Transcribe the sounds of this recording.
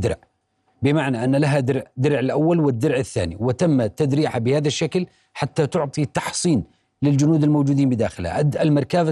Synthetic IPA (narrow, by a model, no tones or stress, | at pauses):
d̪ɪ̰ɾʕ | bɪmaʕnaʔanːalaɦad̪ɪɾʕd̪ɪɾʕɪlʔawːalwɪd̪ːɪɾʕɪθːa̰ːnḭwɪt̪amːat̪ːad̪ɾiːħabɪhaːðaʃːakl | ħat̪ːat̪ʊʕt̪ˤit̪ːɑħsˤiːn | lɪld͡ʒʊnuːd̪ɪlmowd͡ʒuːd̪iːnbɪd̪a̰ːxɪlha̰ʔalmɑɾˤkaːb